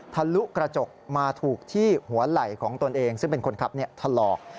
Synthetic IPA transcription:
t̪ʰa˧lu˦˥kɾa˧t͡ɕo˨˩k̚maː˧t̪ʰuː˨˩k̚t̪ʰiː˥˩hu˩˦ɐla˨˩jkʰɔː˩˦ŋt̪o˧nʔeː˧ŋsɯ˥˩ŋp̬e˧nkʰo˧nkʰa˨˩p̚ni˥˩ɐt̪ʰa˧lɔː˨˩k̚

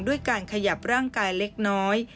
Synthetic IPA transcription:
ŋdu˥˩əjkaː˧nkʰa˧ja˨˩p̚ɾaː˥˩ŋkaː˧jle˦˥k̚nɔː˦˥j

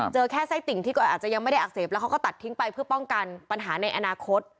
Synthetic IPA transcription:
t͡ɕɤː˧kʰɛː˥˩sa˦˥jt̪i˨˩ŋt̪ʰiː˥˩kɔː˧˩ʔaː˨˩t͡ɕa˨˩ja˧ŋma˥˩jda˥˩ʔa˨˩k̚seː˨˩p̚lɛ˦wkʰa˦˥kɔ˥˩t̪a˨˩t̪ʰːi˦˥ŋpa˧jpʰɯ˥˩ɐpɔ˥˩ŋka˧npa˧nɦaː˩˦na˧jʔa˧naː˧kʰo˦˥t̪̚

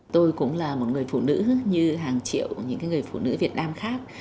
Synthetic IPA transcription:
t̪o˧jkʊ̰˧˥ŋ͡mlaː˨˩mo˨˩t̚ŋɨ˨˩əjfṵ˧˨nɨ̰˧˥ɲɨ˧ɦaː˨˩ŋt͡ɕḭ˧˨əwɲɨ̰˧˥ŋkaː˨˦jŋɨ˨˩əjfṵ˧˩nɨ̰˧˥vi˨˩ət̚naː˧mxaː˦˥k̚

